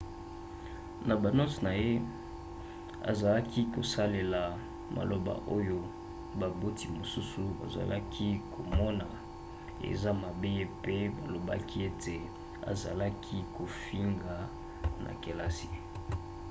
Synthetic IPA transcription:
na˨ba˨no˦sna˨je˦ | a̰˨za˨la˦ki˦ko˨sa˦le˨la˨ | ma̰˨lo˨ba̰˨ʔo˦jo˦ | ba˨bo˦ti˨mo˨su˦su˨ba̰˨za̰˨la˦kʰi˦kʰo˨mɔ˦na˨ | ḛ˨za˦ma˨be˦je˦pe˦ba˨lo˨ba̰˦kʰi˦e˦te˨ | a̰˨za˨la˦kʰi˦ko˨fi˦ŋɡa˨ | na̰˨ke˨la˦si˨

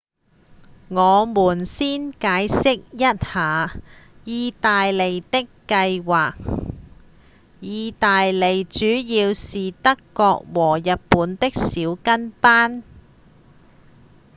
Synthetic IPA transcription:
ŋɔː˨˧muː˨˩nsiː˥nkaː˨˧˥jsɪ˥k̚jɐ˥t̚haː˨jiː˧t̪aː˨jle˨jt̪ɪ˥kːɐ˧jwaː˨k̚ | jiː˨˧t̪aː˨jle˨˩jt͡ʃyː˨˥jiː˧wsiː˨t̪ɐ˥kːɔː˧k̚wɔː˨˩jɐ˨t̚puː˨˥nt̪ɪ˥k̚siː˨˥wkɐ˥npaː˥n

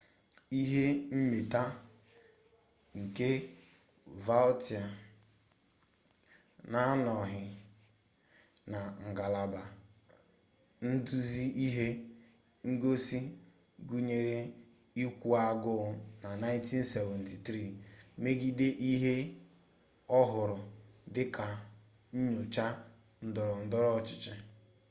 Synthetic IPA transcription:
i˦ɦe˦m̩˦me˨ta˦ | ŋ̩˨ke˦ | va˦lti˨a˨ | na˦nɔ˨ɦɪ˨ | na˨ŋ̩˨ɡa˨la˨ba˨ | n̩˦du˦zi˦i˦ɦe˦ | ŋ̩˦ɡo˦si˦ | ɡu˦ɲe˨ɾe˦ | i˦kʷu˦a˦ɡʊ˦˨na˨na˦ɪ˦n˦ti˦n̩˦se˨vɛ˨n̩˨ti˨tɾi˦˨me˦ɡi˦de˦ʔi˦ɦe˦ | ɔ˦ɦʊ˨ɾʊ˨dɪ˦ka˨ | ɲ̩˦ɲo˨t͡ʃa˦ | n̩˦dɔ˨ɾɔ˨n̩˦dɔ˦ɾɔ˦˨t͡ʃɪ˨t͡ʃɪ˦

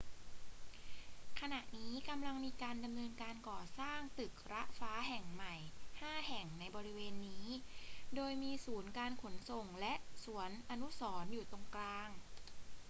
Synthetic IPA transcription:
kʰa˧na˨˩ʔniː˦˥ka˧mla˧ŋmiː˧kaː˧nda˧mnɤː˧nkaː˧nkɔː˨˩saː˥˩ŋt̪ɯ˨˩k̚ɾa˦˥ʔfaː˦˥ɦɛ˨˩ŋma˨˩jhaː˥˩hɛ˨˩ŋna˧jbɔː˧ɾi˦˥weː˧nːiː˦˥doː˧jmiː˧suː˩˦nkaː˧nkʰo˩˦nso˨˩ŋlɛ˦˥ʔsu˩˦ənʔa˧nu˦˥sɔː˩˦njuː˨˩t̪o˨˩ŋklaː˧ŋ

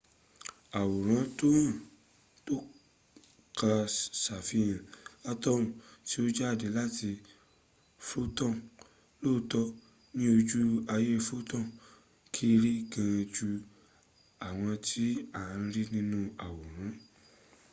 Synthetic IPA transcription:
a˨wo˨ɾ̃ã˨˦to˦ã˦˨ | to˦ | ka˧sa˨fi˧˦jã˨a˧tɔ˦ũ˦˨ti˦o˦d͡ʒa˦˨de˨˦la˦ti˧ | fo˦tɔ̃˦˨ | loː˦˨tɔ˦ | nĩ˦o˧d͡ʒu˦a˧je˦˧fo˦tɔ̃˦˨ | kʰi˦˧ɾi˦˨ɡã˧e˧d͡ʒu˧ | a˨w̃ɔ̃˧tʰi˦a˨˧˦ɾi˦nĩ˦nũ˦a˨wo˨ɾ̃ã˨˦

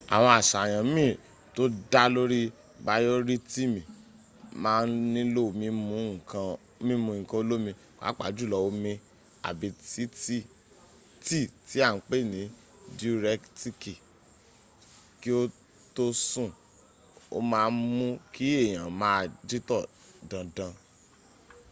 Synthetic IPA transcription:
a̰˨w̃ɔ̃˧a˨ʃa˨j̃ã˨˦mĩ˦˨ | to˦da˦lo˦ɾi˦ | ba˧jo˦ɾi˦ti˦˨mĩ˨ | mãː˦˧˦n˦nĩ˦lo˦˨˧mĩ˧˦mũ˨˧˦kʰã˧ | mĩ˦mũ˧˨ĩ˨kã˧o˧˦lo˦mĩ˧ | ka̰˨˦k͡pa̰˨˦d͡ʒu˦˨lɔ˧wo˧˦mĩ˧ | a̰˨bi˨˦ti˦ti˦ | ti˦˨ti˨˦a˦˨˦k͡pe˦˨nĩ˨˦ | di˦ɾɛ˧˦kti˦ki˨ | ki˦o˦ | to˦sũ˦˨ | o̰˦mãː˨˧˦mũ˦kʰi˦e˦˨j̃ã˨mãː˦˧˨di˦tɔ˦˨ | dã˧dã˧

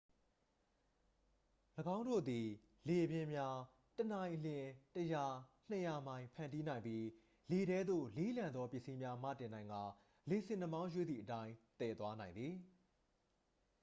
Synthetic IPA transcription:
ləɡã˦ʊ̃ndo̰˦˨d̪i˨ | le˨ʔəbjɪ̃˨mja˦ | tənã˨ɪ̃ʔl̥ɪ̃˨təja˨n̥ə˨ja˨mã˨ɪ̃pʰã˨ndi˦nã˨ɪ̃mpji˦ | le˨ɾɛ˦d̪ðo̰˦˨le˦lã˨nd̪ɔ˦pjɪ˦ʔsi˦mja˦m̥ä̰˦˨tɪ̃˨nã˨ɪ̃ŋɡa˨ | le˨sɪ̃˨nə˨mã˦ʊ̃jwe˦˨d̪ðḭ˨ʔətã˦ɪ̃t̪ɛ˨t̪wa˦nã˨ɪ̃nd̪i˨

